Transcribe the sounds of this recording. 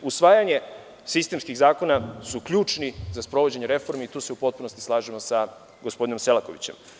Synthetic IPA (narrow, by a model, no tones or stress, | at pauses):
usʋaːjaɲe̞ | sist̪e̞mskiɣzaːko̞nasukʎuːt͡ʃnizaspɾo̞ʋod͡ʑe̞ɲeɾe̞fo̞ɾmeit̪uːse̞upo̞t̪̚puno̞st̪islˠaːʒemo̞sa | ɡospo̞d̪ino̞mse̞lako̞ʋḭt͡ɕe̞̰m